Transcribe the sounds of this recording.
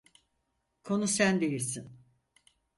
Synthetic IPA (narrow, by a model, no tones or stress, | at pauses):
kʰo̞nusænd̪ejiɾsin